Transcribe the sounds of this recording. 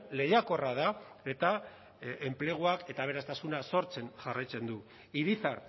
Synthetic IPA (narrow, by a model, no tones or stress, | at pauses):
le̞jako̞rað̞ae̞t̪a | emple̞ɣ̞uake̞t̪aβ̞e̞ɾast̪asunaso̞ɾt͡se̞nʝarajt͡se̞nd̪u | iɾiθaɾ